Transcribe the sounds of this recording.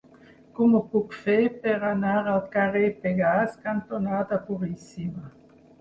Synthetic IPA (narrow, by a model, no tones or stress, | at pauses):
kumopukfepeʁanaʁalkaʁepeɡaskant̪onad̪apuʁisima